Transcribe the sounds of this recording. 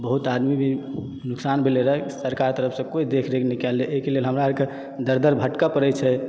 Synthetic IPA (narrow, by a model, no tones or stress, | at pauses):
bəɦut̪ad̪mibʱi | nuksanbʱeleɾəksəɾkaɾt̪əɾəpʰsə̃koid̪ekʰɾekʰnikɛlːeʔekelelɦəmɾaəɾke | d̪əɾd̪əɾbʱəʈkapəɾɛt͡ʃʰɛ